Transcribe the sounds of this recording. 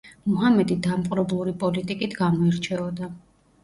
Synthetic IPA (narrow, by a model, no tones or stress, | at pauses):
muɦamɛd̪id̪amqʼɾɔblˠuɾipʼɔlit̪ʼikʼit̪ʰɡamɔɛɾt͡ʃʰɛɔd̪a